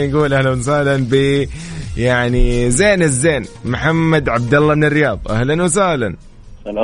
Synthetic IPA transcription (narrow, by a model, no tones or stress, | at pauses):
nɡuːlʔahlans̬ʊhlanbɪ | jaʕnizeːnɪzːeːnmʊħamːad̪ʕab̚d̪ɑlːɑmɪnɪrːɪjɑːb̪ˤʔahlanwɪs̬ʊhlan